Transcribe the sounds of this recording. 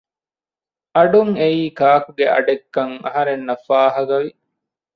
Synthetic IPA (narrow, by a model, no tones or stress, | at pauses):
ɐɖuŋeiːkaːkuɡeʔɐ̰ɖekːɐŋɐ̰ɦɐɾenːɐfaːɦɐɡɐʋi